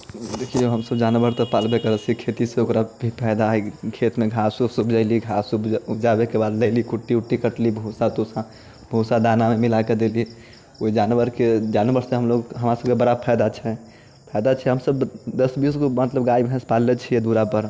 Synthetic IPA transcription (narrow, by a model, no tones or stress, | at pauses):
d̪ekʰioɦəmsəbd͡ʒanʋəɾt̪ɔpalbekəɾət͡ʃʰikʰet̪iseokɾabʱipʰɛɪd̪aɦkʰet̪meɡʱasusubʱd͡ʒaɪliɡʱasubd͡ʒabekebad̪ləlikuʈːiuʈːikəʈlibʱusat̪osa | bʱusad̪anamemilaked̪eli | oid͡ʒanʋəɾked͡ʒanbəɾsẽɦəmloɡɦəmɾasəb̚kebəɾapʰɛjd̪at͡ʃʰɛ | pʰɛɪd̪at͡ʃʰɛɦəmsəbd̪əsbisɡomət̪ləbɡaibʱɦɛ̃spalːet͡ʃʰijɛd̪uɾapəɾ